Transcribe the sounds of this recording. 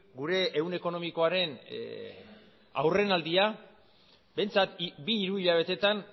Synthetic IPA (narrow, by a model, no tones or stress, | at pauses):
ɡuɾe̞ːune̞ko̞no̞miko̞aɾe̞n | a̰wre̞nald̪ia | be̞nt͡sat̪biːɾuiʎaβ̞e̞t̪e̞t̪an